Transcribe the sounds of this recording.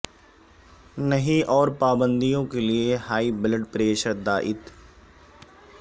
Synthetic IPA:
nəɦĩːʔɔːɾpaːbənd̪ijõːkelɪeːhaːiːbɪləʈpɾeːʃəɾd̪aːʔɪt̪

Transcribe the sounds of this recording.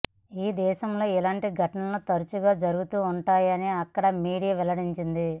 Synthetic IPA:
iːd̪ɛːʃɐmlo̞ːilaːɳʈiɡʱɐʈɐnɐlot̪ɐɾut͡ʃuɡaːd͡ʒɐɾuɡut̪uːɳʈaːjɐniɐkːɐɽɐmiːɽijɐʋɛlɐɽiɲt͡ʃind̪i

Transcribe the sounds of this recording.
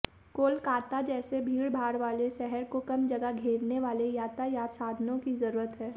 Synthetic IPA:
koːlkaːt̪ad͡ʒɛːsebʱiːɽbʱaːɾʋaːleʃɛɦɛɾkokɐmd͡ʒɐɡaɡʱeːɾneʋaːlejaːt̪ajaːsaːd̪ʱnõkizɐɾuːɾət̪ɦɛː

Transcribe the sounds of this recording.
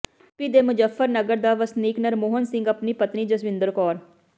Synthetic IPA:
pid̪eːmʊd͡ʒəfːəɾnəɡəɾd̪aːʋəsniːknəɾmoːɦənsɪ̃ŋɡəpniːpət̪niːd͡ʒəsʋɪ̃nd̪əɾkɔːɾ

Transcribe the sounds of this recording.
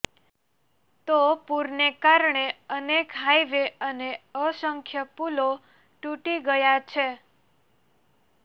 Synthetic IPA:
t̪opuɾnekaɾɳeənekɦajʋeəneəsəŋkʰjəpulo | ʈuʈiɡəjat͡ʃʰe

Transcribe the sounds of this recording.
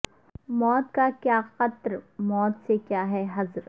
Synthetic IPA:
mɔːt̪kakjaːqɐt̪ɾmɔːt̪sekjaːɦɛɦɐzɾ

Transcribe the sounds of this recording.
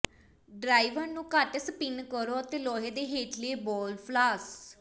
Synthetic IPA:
ɖɾaːiʋəɾnũːkaʈsəpɪnkəɾoːət̪eːlɔːɦeːd̪eːɦeːʈʰlieːbɔːlpʰlaːs

